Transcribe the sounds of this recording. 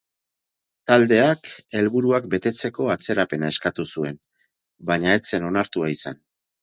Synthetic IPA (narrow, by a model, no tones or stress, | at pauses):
t̪ald̪e̞ake̞lβuɾuakbe̞t̪e̞t͡se̞ko̞at͡se̞ɾape̞nae̞skat̪usue̞n | baɲae̞t͡se̞no̞naɾt̪uaisa̰n